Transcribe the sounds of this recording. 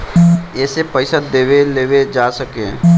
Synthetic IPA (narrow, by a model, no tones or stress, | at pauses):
ɛːsepəɪsad̪eːweleːwed͡ʒaːsəkḛ̃ː